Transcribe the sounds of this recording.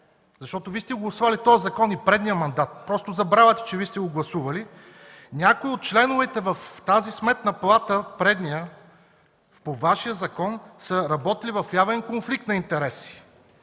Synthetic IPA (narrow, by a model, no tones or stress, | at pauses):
zɐʃt̪ɔt̪oviːst̪ɛɡoɡlˠɐsuvɐlit̪ɔjəzɐkɔnipɾɛd̪nijəmɐnd̪at̪̚pɾɔst̪ozɐbɾavɐt̪ɛ̥t͡ʃɛvist̪ɛɡoɡlˠɐsuvɐli | nʲakoiot̪̚t͡ʃlɛnʊvɛt̪ɛvɐft̪azismɛt̪nɐplˠat̪əpɾɛd̪nʲijə | povaʃijəzɐkɔnsəɾɐbɔt̪ilivɐfjavɛnkonflik̚t̪nɐint̪ɛɾɛsi̥